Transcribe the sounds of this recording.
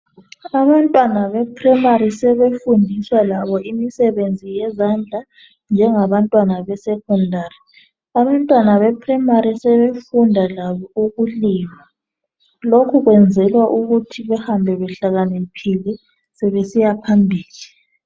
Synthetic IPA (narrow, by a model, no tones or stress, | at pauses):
aβantʼwanaβɛpʰrɛmaɾisɛβefundʱiswalaβɔʔimisɛβend͡zʱijɛzand͡ɮʱa | nd͡ʒʱɛŋaβantʼwanaβɛsɛkʰɔndʱaːri | aβantʼwanaβɛpʰrɛmaɾisɛβefundʱalaβɔuɣuliːma | lokʰuɣwɛnd͡zʱɛlwaʔuɣutʰiβɛhambʱɛβɛɬaɣanepʰilɛ | sɛβesijapʰambʱiːli